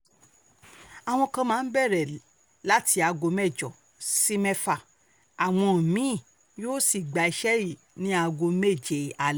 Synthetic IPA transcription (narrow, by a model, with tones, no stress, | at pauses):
a˨w̃ɔ̃˧kã˧mãː˦n̩˦bɛ˦˨ɾɛ˨ | la˨˦tʰi˧a˧ɡo˧mɛ˦˨d͡ʒɔ˨ | si˦mɛ˦fa˨ | a˨w̃ɔ̃˧˨mĩ˨˦˨ | joː˦si˦˨ɡ͡ba˨i˧ʃɛ˦i˦˨ | nĩ˦a˧ɡo˧me˦˨d͡ʒe˨a˨l